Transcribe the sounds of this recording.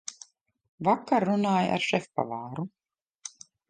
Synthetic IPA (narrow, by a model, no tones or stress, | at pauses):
vakːaɾːunaːja̰ɾʃɛfpa̰vaːɾu